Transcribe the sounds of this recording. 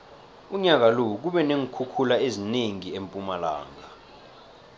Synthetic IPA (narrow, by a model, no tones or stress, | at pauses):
uɲak̬alouk̬uɓɛneŋukʰukʰulaezineŋiempʼumala̰ːŋa